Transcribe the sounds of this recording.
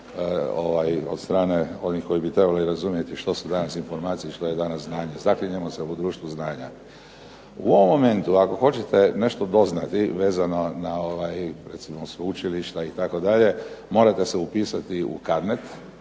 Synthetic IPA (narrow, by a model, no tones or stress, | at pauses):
oʋajo̞̰d̪st̪ɾaːne̞o̞nixko̞jibit̪ɾe̞baliɾazumje̞t̪iʃt̪o̞sud̪anasinfo̞ɾmaːt̪sijiʃt̪o̞jed̪anasznaːɲe̞zakliɲemoseud̪ɾuːʃt̪ʋuznaːɲa | ṵoʋomːo̞me̞nt̪uako̞xo̞t͡ɕet̪e̞ne̞ʃt̪od̪o̞znat̪iʋe̞ːzano̞nao̞ʋajɾet̪simosʋeut͡ʃiliʃt̪ait̪ako̞d̪aʎe̞mo̞ːɾat̪e̞seupiːsat̪iṵkad̪net̪